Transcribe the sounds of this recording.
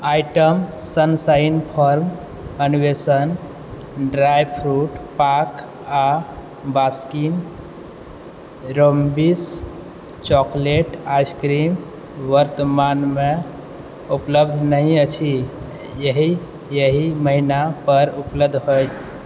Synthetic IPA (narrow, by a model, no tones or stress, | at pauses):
ajʈəm | sənsajnpʰɔɾm | ənʋesən | ɖɾajpʰɾuʈpak | a | baskin | ɾombis | t͡ʃɔkleʈajskɾim | ʋəɾt̪əmanme | upləb̚d̪ʱnəɦĩət͡ʃʰi | jəɦi | jəɦiməɦinapəɾupləb̚d̪ʱɦojt̪ʰ